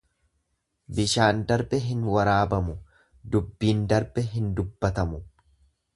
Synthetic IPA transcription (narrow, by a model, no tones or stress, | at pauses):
bɪʃaːnd̪ɐɾbɛɦɪnwɐɾaːbɐmʊ | d̪ʊbːiːnd̪ɐɾbɛɦɪnd̪ʊbːɐt̪ɐmʊ